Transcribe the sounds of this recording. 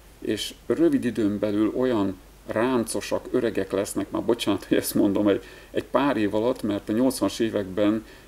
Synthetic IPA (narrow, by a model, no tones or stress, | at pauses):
eːʃrøvid̪id̪øːmbɛlylo̞jɒn | raːnt̪so̞ʃɒkø̞ɾɛɡɛklɛsnɛkma̰ːrbot͡ʃaːnɒt̪ojɛst̪mo̞nd̪o̞mɛɟ | ɛɟpaːɾeːvɒlɒt̪ːmɛrt̪ɒɲo̞lt̪sʋɒnʃeːvɛɡbɛn